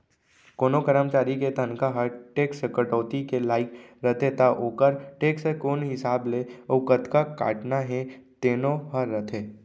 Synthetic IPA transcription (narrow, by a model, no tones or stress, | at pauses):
koːnokəɾəmt͡ʃaːɾiket̪ənkaɦəɾʈeːksəkəʈɔːt̪ikelaːɪkɾɐt̪ʰet̪aʔoːkəɾʈeːksekoːnɦɪsaːbleoːkət̪kaka̰ːʈnaɦɛ̃t̪eːnoɦɐɾːɐt̪ʰeː